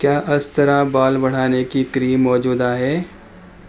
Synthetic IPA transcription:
kjaːʔɐst̪ɐɾabaːlbɐɽ̤aːnekikɾiːmːɔːd͡ʒuːd̪aɦɛː

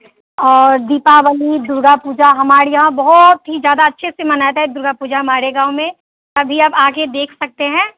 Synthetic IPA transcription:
ɔːɾd̪iːpaʋəlid̪ʊɾɡapuːd͡ʒaɦɐmaːɾijɐɦãbɐɦʊt̪ɦid͡ʒjaːd̪aɐtːʃʰesemɐnaːet̪ɦɛd̪ʊɾɡapuːd͡ʒaɦɐmaːɾeɡãːʊmẽ | t̪ɐbʱiɐbaːɡed̪eːkʰsɐk̚t̪eɦɛ̃ː

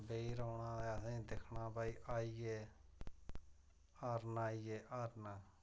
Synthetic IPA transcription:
beiːɾoːɳãːɛːəsĩːd̪ekʰɳãːbaːiːʔaːiːeː | aːɾnaːiːeːʔaːɾnaː

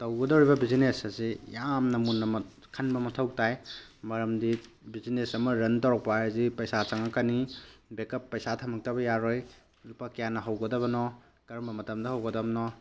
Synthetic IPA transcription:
tɐwɡɐdowɾibɐbizinesɐzijamnɐmunːɐm | kʰɐnbɐmɐtʰɐw̚tajmɐɾɐmdi | bizinesɐmɐɾɐntɐwɾɐk̚paajɐzipɐjsat͡ʃaŋɐkɐnibekɐpːɐjsatʰɐmɐk̚tɐbɐjaɾoj | lupakjanːɐɦɐwɡɐdɐβɐnɔ | kɐɾɐmbɐmɐtɐmdɐɦɐwɡɐdɐbnɔ

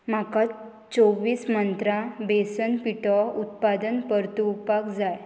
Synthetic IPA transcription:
maka | t͡soʋiːsmənt̪ɾabesənpiʈɔut̪pad̪ənpəɾt̪upakd͡zaj

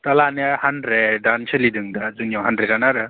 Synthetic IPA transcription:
t̪alanahandɾedansɯlidɯŋdazuŋjawɦandɾetanaɾɯ

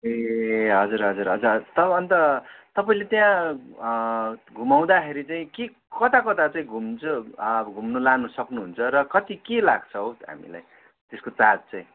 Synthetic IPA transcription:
eɦʌd͡zuɾɦʌd͡zuɾɦʌd͡zurɦʌt̪ʌbʌʌnt̪ʌt̪ʌpaĩlet̪jã | ɡʱumaw̃d̪akʰeɾit͡saĩke | kʌt̪akʌt̪at͡saĩɡʱumt͡sʰubʌɡʱumnʌlanusʌknuɦunt͡sʰʌɾʌkʌt̪ikelaɡ̚t͡sʰʌɦoɦa̰mḭla̰j | t̪eskot͡sad͡zt͡saĩ

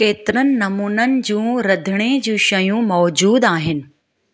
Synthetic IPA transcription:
keːt̪ɪɾənɪ̆nɐmuːnənɪ̆d͡ʑũːɾɐd̪ʱɪɽ̃ed͡ʑũːʃɐjũmɔːd͡ʑuːd̪aːɦɪnɪ̆

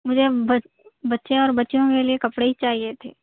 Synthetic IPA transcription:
mʊd͡ʒʱebɐ | bɐtːʃẽɔːɾbɐtːʃõkeliekɐpɽeɦit͡ʃaːɦiet̪ʰeː

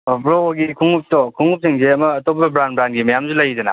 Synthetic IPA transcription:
bɾɔwɔɡikʰuŋup̚tɔkʰuŋup̚sʰeŋzeɐmɐːtɔp̚ːɐbɾanbɾanɡimɐjamzulɐjzɯna

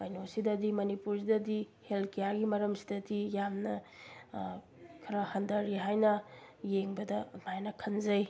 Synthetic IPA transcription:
bajnosidɐdimɐnipuɾsidɐdi | helkijaɡimɐɾɐmsi̥dɐdijamnɐ | kʰɐɾɐhɐndɐɾiɦajnɐjeŋbɐdɐmajnɐkʰɐnzɐj

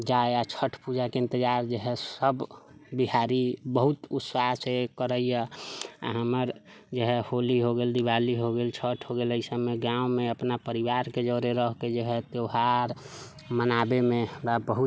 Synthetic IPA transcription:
d͡ʒaeat͡ʃʰəʈʰpud͡ʒakeɪ̃nt̪əd͡ʒaɾd͡ʒəɦɛssəbbiɦaɾibəɦut̪usaɦsekəɾəijəa̰ɦəməɾ | d͡ʒəɦɛholiɦoɡeld̪iʋaliɦoɡelt͡ʃʰəʈʰɦoɡeləɪsəmeɡãũmeəpnapəɾiʋaɾked͡ʒəɾeɾəɦked͡ʒəɦɛt̪eɦaɾ | mənabemẽbabəɦu

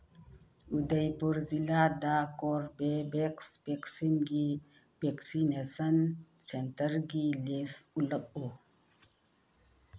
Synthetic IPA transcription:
ud̪əjpuɾzilad̪akoɾbebeksbeksinɡi | beksinesənsent̪əɾɡilisulək̚o

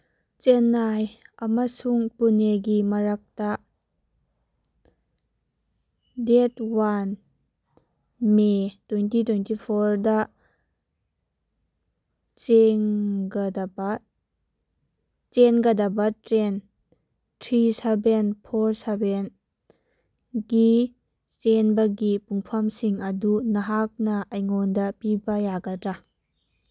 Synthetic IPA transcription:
t͡ʃenːajɐmasuŋpuneɡimɐɾak̚ta | detwan | metwentitwejntipʰɔɾdɐ | t͡ʃeŋɡɐdɐbɐ | t͡ʃenɡɐdɐbɐtɾen | tʰɾisebenpʰoɾseben | ɡi | t͡ʃenbɐɡipuŋpʰɐmsiŋɐdunɐɦak̚nɐɐjŋondɐpibɐjaɡɐdɾa

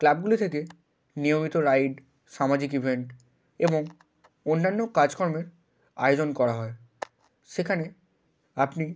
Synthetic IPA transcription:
klab̚ɡulit̪ʰeke | nijomit̪oɾajɖ | ʃamad͡ʑikibʱeɳʈ | eboŋ | onːanːokad͡ʑkɔɾmeɾ | a̰eod͡ʑonkɔɾaɦɔe | ʃekʰane | apni

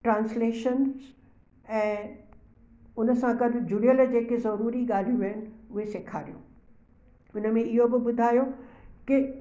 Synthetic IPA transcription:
ʈɾãːnsleːʃənz | ɛ̃ː | ʊnəsãkɐd̪ʱɪ̆d͡ʑʊɽijəld͡ʑeːkezɐɾuːɾiɡaːl̤ijũʋəɦɪnɪ̆ɪ̆ʊɦeseːkʰaːɾijõ̰ː | ʊnəmẽɪɦobɪbʊd̪ʱaːjokɪ

